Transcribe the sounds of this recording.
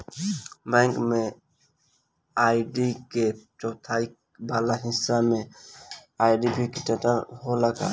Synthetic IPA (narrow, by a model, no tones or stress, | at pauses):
bɛ̃ŋkme | aɪɖiket͡ʃɔːt̪ʰaik | baːlaɦɪ̃sːamẽ | aːjɖibʱikiʈəʈəɾɦolaɡa̰